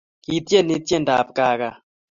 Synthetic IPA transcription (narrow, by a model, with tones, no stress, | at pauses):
ki˨˦tjɛ˦˨ni˦t̪jɛ˦˨nda˨p̚ka˨ka˨